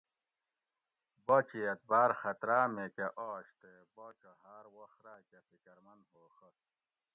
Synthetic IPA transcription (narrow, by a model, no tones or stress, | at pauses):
bot͡ɕiɐt̪̚baːɾxɐt̪ɾaːmekaʔɔːɕt̪e | bot͡ɕoɦaːɾwɐxɾaːkepikɐɾmɐnhoːxɐ